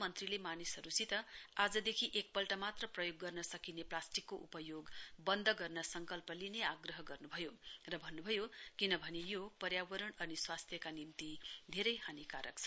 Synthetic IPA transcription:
mʌnt̪rilemanisɦʌɾusit̪ʌad͡zʌd̪ekʰiʔek̚pʌlʈamat̪rʌprʌjoɡːʌrnʌsʌkineplasʈikːoʔupʌjoɡbʌnd̪ʱʌɡʌrnʌsʌŋkʌlpʌlineaɡrʌɦʌɡʌrnubʱʌjorʌbʱʌnːubʱʌjokinʌbʱʌnejopʌrjawʌɾʌɳʌniswast̪ʰjʌkanint̪id̪ʱeɾʌjhanikaɾʌk̚t͡sʰʌ

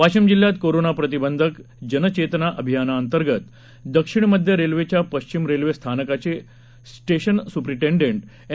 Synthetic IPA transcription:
ʋaɕəmd͡ʑilːjat̪koɾonapɾət̪̬ibənd̪ʱək | d͡ʑənət͡ɕet̪ənaʔəbʱijanaːnt̪əɾɡət̪ | d̪əkʂiɳməd̪ʱjəɾelʋet͡ɕjapəɕt͡ɕimɾelʋest̪ʰanəkat͡ɕe | sʈeɕənsupɾiʈẽɳɖeɳʈ

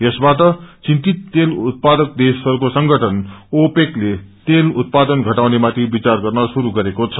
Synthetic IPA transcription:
jʌsbatʌt͡sint̪it̪ːelut̪̚pad̪ʌk̚d̪esʌɾukosʌŋɡʱʌʈʰʌnopeklet̪elut̪̚pad̪ʌnɡʱʌʈawnemat̪ʰibit͡sarɡʌrnʌsuɾuɡʌɾekot͡sʰʌ̥

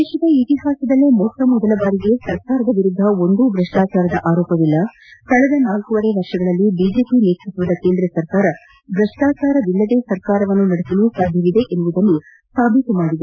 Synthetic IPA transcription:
d̪ɛːʃɐd̪ɐit̪iɦaːsɐd̪ɐlːemɔtːɐmɔd̪ɐlɐbaːɾiɡe̞sɐɾkaːɾɐd̪ɐʋiɾud̪ʱːɐo̞nd̪uɡɾɐʂʈaːt͡ʃaːɾɐd̪ɐʔaːɾɔːpɐʋilːɐ | kɐɭɛd̪ɐnaːlkuʋɐɽeʋɐɾʂɐɡɐɭɐlːibiːd͡ʒe̞ːpineːt̪ʰɾut̪ʋɐd̪ɐkeːnd̪ɾɐsɐɾkaːɾɐ | ɡɾɐʂʈaːt͡ʃaːɾɐd̪ilːɐd̪e̞ːsɐɾkaːɾɐʋɐnːunɐɽesɐlusaːd̪ʱjɐʋid̪e̞ʔenːuʋud̪ɐnːu | saːbʱit̪umaːɽid̪e

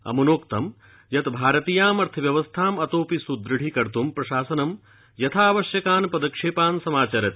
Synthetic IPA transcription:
ɐ̰mɐnoːkt̪ɐm | jɐt̪bʱaːɾɐt̪iːjaːmɐɾt̪ʰɐʋjɐʋɐst̪ʰaːmɐt̪oːpisud̪ɾɐɽikɐɾt̪umpɾɐʃaːsɐnɐm | jɐt̪ʰaːʋɐʃjɐkaːnpɐd̪ɐkʂeːpaːnsɐmaːt͡ʃaɾɐt̪

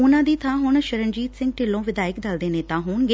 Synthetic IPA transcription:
ʊnãːd̪iːt̪ʰãːɦʊɳʃəɾənd͡ʒiːt̪sɪ̃ŋɡ̚ʈɪlːõːʋɪd̪aːɪkd̪əld̪eːneːt̪ãːɦuːɳɡeː

